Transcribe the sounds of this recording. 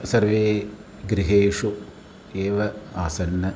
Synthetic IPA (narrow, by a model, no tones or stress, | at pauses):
sɐrʋeː | ɡɾiɦeːʂu | eːʋɐaːsɐnːɐ